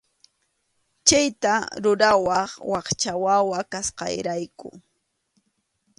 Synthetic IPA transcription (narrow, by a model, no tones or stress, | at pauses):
t͡ʃajt̪aɾʊɾawɑχwɑχt͡ʃawawakasqɑ̰jɾajkʊ̰